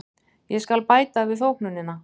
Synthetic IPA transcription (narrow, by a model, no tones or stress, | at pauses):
jɛskalpaːjt̪avɪðθowhknʏnːɪnːa